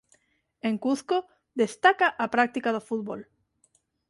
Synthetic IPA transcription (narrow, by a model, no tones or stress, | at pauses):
eŋkuθko | ðest̪akaʔapɾak̚t̪ikað̞ofut̪̚βol